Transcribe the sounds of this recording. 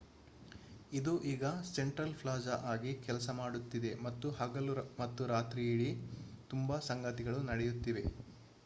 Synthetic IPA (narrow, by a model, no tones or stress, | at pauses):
id̪uʔiːɡɐseɳʈɾɐlpʰlaːd͡ʒɐʔaːɡikɛlɐsɐmaːɽut̪ːid̪e̞mɐt̪ːuhɐɡɐlumɐt̪ːuɾaːt̪ɾiːɽit̪umbɐsɐŋɡɐt̪iɡɐɭunɐɽɛjut̪ːiʋe̞